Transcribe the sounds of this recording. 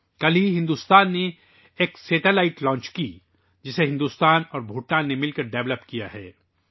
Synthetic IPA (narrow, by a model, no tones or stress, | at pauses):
kɐliɦɪ̃nd̪ust̪aːnːe | eːksɛːʈelaːɪʈlɔ̃ːnt͡ʃki | d͡ʒɪseɦɪ̃nd̪uːst̪aːnɔːɾbʱuːʈːaːnːemɪlkɐɾɖɛʋləpkijaɦɛ̰ː